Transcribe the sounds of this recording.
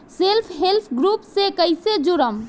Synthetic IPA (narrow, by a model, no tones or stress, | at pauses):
selpʰɦelp̪ʰɡɾupsẽkəɪsed͡ʒuɾəm